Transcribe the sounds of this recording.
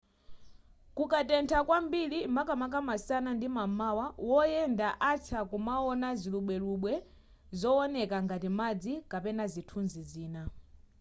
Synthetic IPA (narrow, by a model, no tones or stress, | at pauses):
kukatɛntʰakwambilimakamak̬amasanandimamawawɔjɛndaʔat͡sʰakumaɔnaziluɓwɛluɓwɛ | zɔɔnɛkaŋɡatimad͡zikapɛnazitʰunziziːna